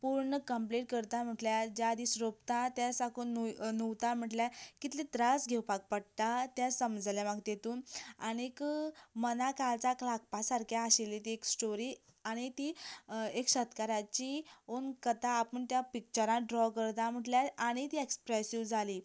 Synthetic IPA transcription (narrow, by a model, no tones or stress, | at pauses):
puɾɳəkəmpliʈ̚kəɾt̪am̤əʈljad͡ʑad̪ʱisɾop̚t̪ãt̪jasakunuwt̪am̤əʈljakit̪ʰlit̪ɾasɡʱewpak̚pəɽt̪at̪jasəmd͡zljamaɡt̪jet̪uːnaɽ̃ikəmənakalt͡saklak̚pasaɾkʰjaaɕelit̪ieksʈoɾiː | aɽ̃it̪iekɕət̪kaɾat͡ɕionkət̪aːpəɳt̪japik̚t͡ɕəɾãɖɾɔkəɾt̪am̤əʈljaaɽ̃it̪iekspɾesiʋd͡zʱali